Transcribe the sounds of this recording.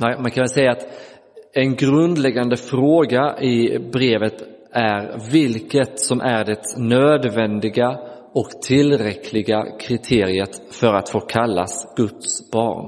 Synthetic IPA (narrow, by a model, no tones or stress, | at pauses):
mankʰanvɛlsɛjːaːt̪ | ɛnɡɾɵnd̪lɛɡːand̪əfɾoːɡaʔɪbɾeːvət̪ | æɾvɪlkət̪sɔmʔæɾɖɛt̪nøːd̪vɛnd̪ɪɡa | ɔkt̪ʰɪlɾɛkʰlɪɡakʰɾɪt̪ʰeːɾɪət̪fœɾat̪foːkʰalːa̰sɡ̥ɵt̪sb̥ɑ̰ːɳ